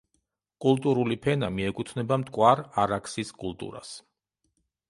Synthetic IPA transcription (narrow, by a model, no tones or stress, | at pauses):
kʼulˠt̪ʼuɾulipʰɛnamiɛkʼut̪ʰnɛbamt̪ʼkʼwaɾaɾakʰsiskʼulˠt̪ʼṵɾa̰s